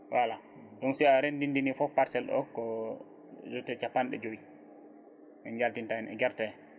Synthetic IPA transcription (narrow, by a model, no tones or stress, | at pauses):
wʔala | ɗɔnsiaɾendindinifɔpːaɾsɛlɗɔ̰kɔ | d͡ʒɔtɛt͡ʃapːanɗɛ̰d͡ʒowi | mɛnd͡ʒaltintaɛnɛ̰ɡɛɾtɛ